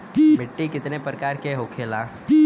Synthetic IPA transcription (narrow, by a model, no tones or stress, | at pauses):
mɪʈːikɪt̪nepɾəkaːɾkeɦokʰela